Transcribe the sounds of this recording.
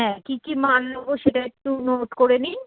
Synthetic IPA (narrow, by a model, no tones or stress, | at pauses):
ɦɛ̃kikimanloboʃeʈaek̚ʈːunoʈkoɾeni